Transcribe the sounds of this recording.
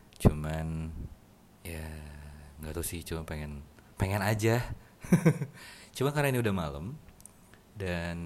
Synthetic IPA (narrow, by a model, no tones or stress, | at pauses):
t͡ʃuman | ja | ŋɡat̪usɪht͡ʃumanpeŋɛnpeŋɛnad͡ʒa | t͡ʃumankarnainiudahmalə̰m | dan